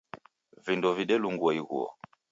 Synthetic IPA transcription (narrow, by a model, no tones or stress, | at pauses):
vindɔviɗɛluŋɡwɔiɣṵɔ̰